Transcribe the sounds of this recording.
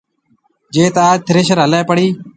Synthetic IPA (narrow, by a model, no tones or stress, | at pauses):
d͡ʒeːt̪aːt̪ʰɪɾeːʃəɾɦəleːpəɽiː